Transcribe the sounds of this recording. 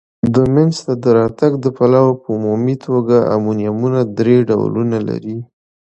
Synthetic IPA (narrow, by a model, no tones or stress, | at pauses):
d̪əmɪnst̪ad̪əɾɑt̪aɡd̪əpalawapəumumit̪ʰoɡaa̰munjamunad̪ɾeɖa̰wlunala̰ɾi